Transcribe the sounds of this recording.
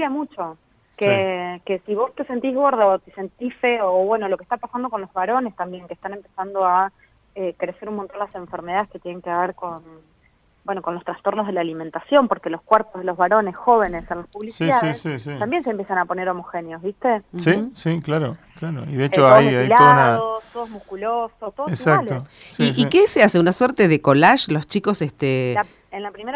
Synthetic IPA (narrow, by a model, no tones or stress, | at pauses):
iamut͡ʃo̞ | keeke̞siβo̞st̪e̞se̞nt̪izɣo̞ɾð̞aot̪esent̪ifeoːβwe̞nolokest̪apasand̪oko̞nlo̞zβaɾo̞ne̞st̪ambje̞ŋkehst̪ane̞mpesand̪o̞a | ekɾe̞se̞ɾunmont̪o̞nd̪easẽ̞ɱfeɾme̞ðaðe̞ske̞t̪jeneŋkeaβeɾko̞n | bwenoko̞nlost̪ɾast̪o̞ɾnoɦð̞e̞laːlimẽnt̪asjo̞mpo̞ɾke̞loskweɾpozðelo̞zβaɾo̞ne̞sxo̞βe̞ne̞senlaspuβlisiiðaðissisiambje̞nsempjesanapo̞neɾo̞moxenjozβist̪e̞sisiklaɾo | klaɾo̰iðeet͡ʃoajmajlaonaðost̪oð̞oɦmuhkulosot̪oðesakalo | siikeseaseunasweɾt̪eðeko̞laʃlo̞st͡ʃiko̞sest̪e | enlapɾimeɾ